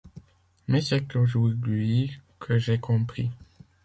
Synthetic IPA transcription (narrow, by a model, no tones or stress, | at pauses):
mɛsɛt̪oʒuʁd̪ɥikʰəʒekʰɔ̃pχi